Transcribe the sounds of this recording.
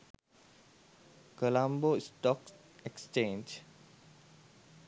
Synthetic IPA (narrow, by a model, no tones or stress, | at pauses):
kəlãmbostɔk | ɛkst͡ʃẽnd͡ʒ